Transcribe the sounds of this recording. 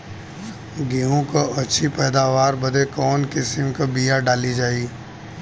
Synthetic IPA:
ɡiɦõkoʔɐtːʃʰipɛːd̪aːʋaːɾbɐd̪ʱekɔːnkɪsɪmkabijaɖaːlid͡ʒaːiː

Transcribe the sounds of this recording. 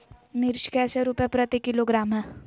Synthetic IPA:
mɪɾʃkɛseɾupjepɾət̪ikiloɡɾaːmɦɛ

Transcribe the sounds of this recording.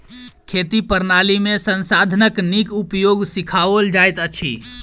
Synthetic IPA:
kʰet̪ipəɾnalimesənsad̪ʱənəknikupjoɡsikʰaʋəld͡ʒajt̪ət͡ʃʰḭ

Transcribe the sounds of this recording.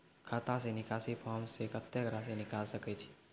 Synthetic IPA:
kʰaːt̪ãsenɪkaːsipʰɔːɾmsekət̪ːjəɡɾasenɪkaːlsəkɛt͡ʃʰi̥

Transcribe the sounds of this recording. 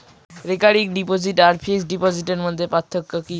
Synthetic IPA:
ɾekaɾik̚ɖipod͡ʑiʈaɾpʰesɖipod͡ʑiʈeɾmod̪ʱːepat̪ʰːokːoki

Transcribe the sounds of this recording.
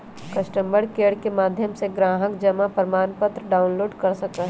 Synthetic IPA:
kɐsʈə̃mbəɽkeːɽkemaːd̪ʱjəmseɡɾaːɦəkd͡ʒɐmapəɾmaːnpət̪ɾəɖaːʊnloːɖkɐɾsɐkəɦ

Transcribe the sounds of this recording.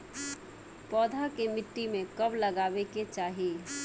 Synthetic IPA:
pɔːd̪ʱakemɪʈːimẽkɐblɐɡaːbeket͡ʃaːɦie

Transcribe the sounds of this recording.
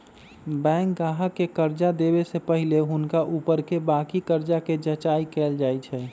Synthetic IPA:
bɛ̃ːŋk̚ɡaːɦəkːekəɾd͡ʒad̪eːbesepəɦɪleɦʊnkaʔuːpəɾkebaːkikəɾd͡ʒaked͡ʒət͡ʃaːikeːld͡ʒaːit͡ʃʰɛː

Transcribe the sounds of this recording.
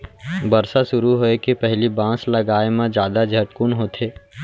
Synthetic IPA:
bɐɾsaʃʊɾuɦoekepɛɦlibãːslɐɡaːemẽd͡ʒjaːd̪ad͡ʒʱɐʈkʊnɦoːt̪ʰeː

